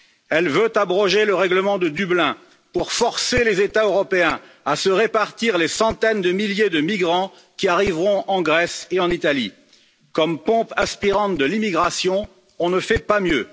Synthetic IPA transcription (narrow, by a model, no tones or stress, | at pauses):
ɛlvøt̪abʁɔ̃ʒeləʁɛɡləmɑ̃d̪əd̪yblɛ̃ | puʁfɔʁselezet̪aøʁɔpeɛ̃ | asəʁepaʁt̪iʁlesɑ̃t̪ɛnd̪əmiljed̪əmiɡʁɑ̃ | kʲiaʁivʁɔ̃ʔɑ̃ɡʁɛseɑ̃nit̪alḭ | kɔmpɔ̃pɛspiʁɑ̃t̪̚d̪əlimiɡʁasjɔ̃ | ɔ̃nəfɛpamjø